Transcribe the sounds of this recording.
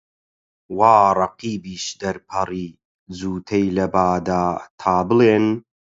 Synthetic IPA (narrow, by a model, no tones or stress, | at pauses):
waːrˤɑqiːbiːʃd̪ɐɾpʰɐriː | d͡zuːt̪ʰɐjlɐbaːd̪aːt̪ʰaːbɨleːn